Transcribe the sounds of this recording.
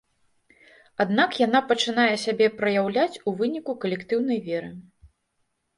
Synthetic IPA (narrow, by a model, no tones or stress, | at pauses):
ad̪nakjan̪apɐt͡ʂɨn̪ajɛsʲabʲɛpɾɐjawlʲat͡sʲuvɨnʲikukɐlʲɛkt̪ɨwn̪ɐjvʲɛɾɨ